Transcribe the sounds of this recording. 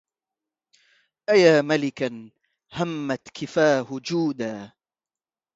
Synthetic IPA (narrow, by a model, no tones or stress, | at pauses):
ʔajaːmalɪkan | hamːat̪kɪfaːhʊd͡ʒuːd̪aː